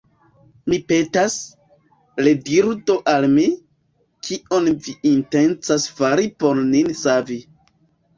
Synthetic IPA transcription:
mipe̞tas | lediɾdo̞ʔalmi | kʰiʔo̞nviintent͡sasfaɾipo̞ɾninsavi

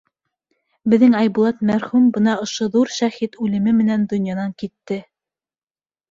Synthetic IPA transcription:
bɘ̆ðɘŋɑjbulˠɑt̪mæɾχumbɤnɑŏʃoðuɾʃæhit̪ʉlɘ̆mɘmɘ̆nænd̪ŏnjɑnɑŋkit̪ːɘ

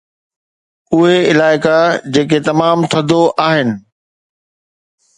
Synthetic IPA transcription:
ʊɦeɪlaːɪkad͡ʑeːk̬et̪ɐmaːmt̪ʰɐd̪ʱoʔaːɦɪnɪ̆

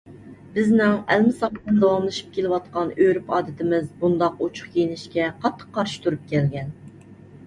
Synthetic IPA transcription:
bɪznɪŋælmɪsɑpt̪ɨnd̪ɑwɑmlˠɨʃi̥p̚kʲelɪwɑt̪qɑnøɾypɑːd̪ɪt̪ʰɪmɪzbund̪ɑqut͡ʃʰʊ̥χkʲʰijnɪʃkʲɛqʰɑt̪ʰːə̥qʰːɑɾʃi̥t̪ʰuɾup̚kʲʰɛlɡʲɛn

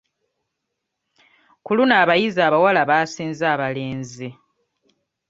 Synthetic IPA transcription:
kulunaːβajizaːβawalaβaːsiːnzaːβale̞ːnzi

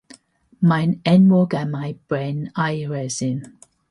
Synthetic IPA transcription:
majnɛnwɔɡamajb̥ɹɛnajɹɛzɪn

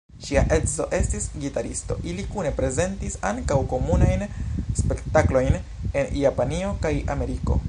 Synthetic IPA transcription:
ʃiaʔe̞dzo̞̰ʔe̞stisɡitaɾisto̞̰ʔilikune̞pɾe̞ze̞ntisa̰ŋkawko̞munajnspe̞ktaklo̞jn | e̞njapanio̞kaja̰me̞ɾiko̞̰

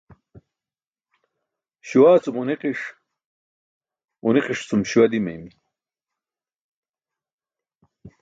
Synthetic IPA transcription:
ɕuwaːt͡sumuniqiʂ | uniqiʂt͡sumɕiwɐd̪imɐjmi

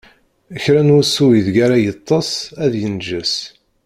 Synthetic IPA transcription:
əçɾænusuwiðɡaɾajət̪ˤːɑsˤæðjənʒəs

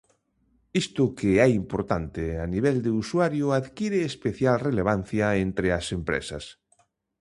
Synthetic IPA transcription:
ist̪ʊkɪɛimpoɾt̪ant̪eaniβ̞ɛld̪euswaɾjʊaðkiɾeːspeθjalreleβ̞an̟θjaent̪ɾeasempɾḛsɐ̰s

